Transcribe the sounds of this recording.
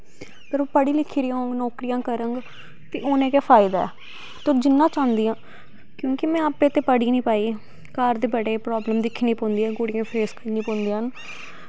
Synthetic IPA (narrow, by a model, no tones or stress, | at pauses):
pəɾoːpəɽiːlɪkʰːiːɾijoːŋɡnɔːkɾijãːkəɾəŋɡ | t̪eːʔoːnẽːkeːpʰaːɪd̪aːɛ̰ː | t̪oːd͡ʒɪnːãːt͡ʃãːnd̪ijãː | kjõːkɪmɛ̃ːapẽːt̪eːpəɽiːnĩːpaːiː | kaːɾd̪eːbəɖeːpɾɔːbləmd̪ɪkʰːniːpɔ̃ːnd̪iːɛːɡoɽɪjãːpʰeːskəɾniːpõːnd̪iːən